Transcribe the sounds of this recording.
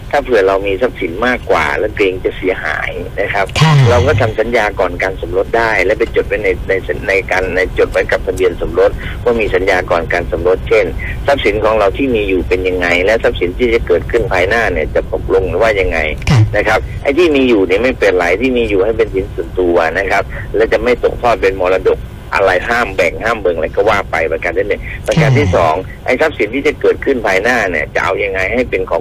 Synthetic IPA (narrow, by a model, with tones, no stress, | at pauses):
t̪ʰaː˥˩pʰɯ˨˩əɾa˧wmiː˧sa˦˥p̚si˨˩˦nmaː˥˩kːwa̰ː˨˩lɛ˦˥˩wkleː˧ŋt͡ɕa˨˩si˨˩˦ɐɦa̰ː˩˦jna˦˥kʰa˦˥p̚ɾa˧wkɔː˥˩t̪ʰa˧msa˨˦njaː˧kɔː˨˩nkaː˧nso˩˦mɾo˦˥t̪̚daː˥˩jlɛ˦˥wpa˧nt͡ɕo˨˩t̪̚wa˦˥jna˧jna˧jsna˧jka˧nːa˧jt͡ɕo˨˩t̪̚wa˦˥jka˨˩p̚t̪ʰa˧bi˧ənso˩˦mɾo˦˥t̪̚waː˥˩miː˧sa˨˦njaː˧kɔː˨˩nkaː˧nso˩˦mɾo˦˥t̪̚t͡ɕʰe˥˩n | sa˦˥p̚si˨˦nkʰɔː˨˦ŋɾa˧wt̪ʰiː˥˩miː˧juː˨˩pe˧nja˧ŋːa˧jlɛ˦˥wsa˦˥p̚si˨˩˦nt̪ʰiː˥˩t͡ɕa˨˩kɤː˨˩t̪̚kʰɯ˥˩npʰaː˧jnaː˥˩ni˧˩ɐt͡ɕa˨˩t̪o˨˩p̚lo˧ŋ˨˩waː˥˩ja˧ŋːa̰˧jna˦˥kʰa˦˥p̚ʔa̰˧jt̪ʰiː˥˩miː˧juː˨˩ni˧˩ma˥˩jpeː˨˩t̪̚laː˨˦jt̪ʰiː˥˩miː˧juː˨˩ha˥˩jpe˧nsi˨˩˦nsu˨˩ənt̪u˧ɐ˧na˦˥kʰa˦˥p̚lɛ˦˥˩wt͡ɕa˨˩ma˥˩jt̪o˨˩k̚t̪ʰɔː˥˩t̪̚pe˧nmɔː˧la˧do˨˩k̚ | ʔa̰˧la˧jɦaː˥˩mbɛː˨˩k̚haː˥˩mbɤ˧ŋɾa˧˩jkɔː˥˩waː˥˩pa˧jpa˧kaː˧nʰiː˥˩nɯ˨˩ŋpa˧kaː˧nt̪ʰiː˥˩sɔː˩˦ŋ | ʔa̰˧jsa˦˥p̚si˨˦nt̪ʰiː˥˩t͡ɕa˨˩kɤː˨˩t̪̚kʰɯ˥˩npʰaː˧jnaː˥˩ni˦˥˩ɐt͡ɕa̰˨˩ʔa̰˧wja˧ŋːa˧jɦa˥˩jpe˧nkʰɔː˨˦